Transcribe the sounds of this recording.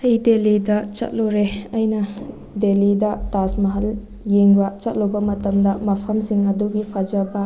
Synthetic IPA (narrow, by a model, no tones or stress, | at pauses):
ɐjdelidɐt͡ʃɐ̰t̚loɾeɐjnɐ | delidɐtasmɐɦɐl | jeŋbɐt͡ʃɐt̚lobɐmɐtɐmdɐmɐpʰɐmsiŋɐduɡipʰɐd͡ʒɐbɐ